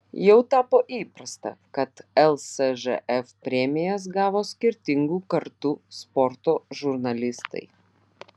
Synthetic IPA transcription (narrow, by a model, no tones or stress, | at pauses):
jɛʊt̪ɑːpoːʔiːpɾɐst̪ɐ̰kɐt̪ɛlˠsɛʒɛ̰ʔɛfpʲɾʲɛmʲɪjɛs̬ɡɑːʋoːsʲkʲɪɾʲt̪ʲɪŋɡuːkɐɾt̪ʊspɔɾt̪oːʒʊɾnɐlʲɪst̪ɐ̰ɪ